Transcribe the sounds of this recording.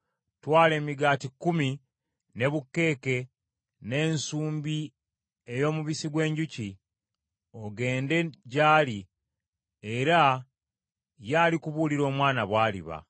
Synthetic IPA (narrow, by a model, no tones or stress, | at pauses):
twaːle̞ːmiɡaːtikːumi | ne̞βukːe̞ːke̞ | ne̞ːnsuːmbi | e̞jo̞ːmuβisiɡwe̞ːɲɟuci | oɡe̞ːnde̞ɟaːli | e̞ɾa | jaːlikuβuliɾo̞ːmwaːnaβwaːlḭβa̰